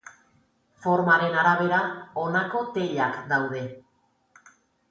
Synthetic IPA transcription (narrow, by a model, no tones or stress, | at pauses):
fo̞ɾmaɾe̞naɾaβ̞e̞ɾao̞nako̞t̪e̞ʎakd̪awð̞e̞